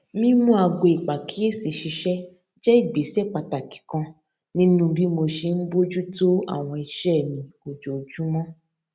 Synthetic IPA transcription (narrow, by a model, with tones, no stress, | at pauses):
mĩ˦mũ˦a˧ɡo˧i˨k͡pa˨kʰi˦e˦si˨ʃi˧ʃɛ˦ | d͡ʒɛ˦i˦˨ɡ͡be˨˦sɛ˦˨k͡pa˧ta˨ki̥˨kã˧ | nĩ˦nũ˦˧bi˦mo˧ʃe˧n̩˦bo˦d͡ʒu˦to˦a̰˦˨w̃ɔ̃˧i˧˨ʃɛ˦˨nĩ˨o˨d͡ʒo˨d͡ʒu˦mɔ̃˦